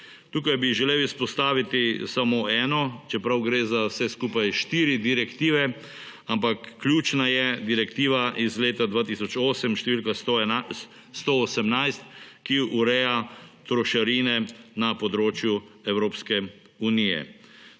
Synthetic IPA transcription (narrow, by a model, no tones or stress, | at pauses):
t̪uːkajbiʒɛleːwispɔst̪aːʋit̪isamoɛːnɔt͡ʃɛpɾawɡɾezawsɛskupajʃt̪iːɾid̪iɾɛkt̪iːʋɛ | ampakːljuːt͡ʃnajɛd̪iɾɛkt̪iːʋaʔizleːt̪ad̪ʋaːt̪isɔt͡ʃoːsɛmʃt̪ɛʋiːlka | st̪oosɛmnajst̪kiuɾɛjat̪ɾɔʃaɾinɛnapɔd̪ɾoːt͡ʃjuɛwɾoːpskɛ | unijɛ̰